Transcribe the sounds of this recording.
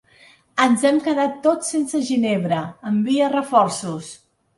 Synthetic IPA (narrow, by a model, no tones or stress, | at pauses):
ənzɛmkəðat̪ːot͡ssensəʒineβ̞ɾəəmbiərəfɔrsus